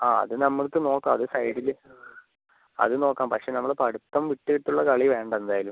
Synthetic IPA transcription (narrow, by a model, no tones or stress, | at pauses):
aːɐ̰ðɨnɐmːɐɭkɨno̞ːkːamɐðɨsɐjɽil | ɐ̰ðɨno̞ːkːaːmpɐkʂe̞ːnɐmːɐɭpɐɽut̪ːɐmʋiʈːɨɣiʈːuɭːɐkɐɭiʋe̞ːɳɖɐend̪aːjɐlum